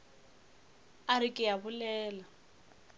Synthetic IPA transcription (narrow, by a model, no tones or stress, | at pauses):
aɾɪkʼɪjabʊlɛːla